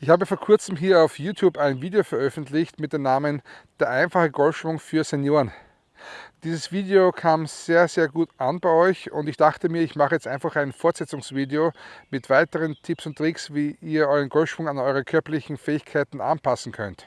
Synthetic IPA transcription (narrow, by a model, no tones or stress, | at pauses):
ʔɪçhaːbəfoːɐkʰʊɐt͡səm̩ɦiːɐɑʊfjuːtʰjuːbæɪnviːdeofɛɐʔœfn̩tlɪçtmɪt̚d̥eːmnaːmənd̥eːɐʔæɪnfaχəɡɔlfʃv̥ʊŋfyːɐsenjoːʁən | d̥iːzəsv̥iːdeokʰaːmz̥eːɐzeːɐɡuːtʔanbæɪɔʏçʊ̰ndɪçd̥aχtəmiːɐɪçmaχəjɛt͡stʔæɪnfaχæɪnfɔɐtsɛt͡sʊŋsv̥iːdeomɪtv̥aɪtəʁəntʰɪpsʊntːʁ̥ɪksviːiːɐʔɔʏʁənɡɔlʃv̥ʊŋanɔʏʁəkʰœɐpɐlɪçn̩fɛːɪçkʰaɪtn̩ʔa̰npʰasn̩kʰœ̰nt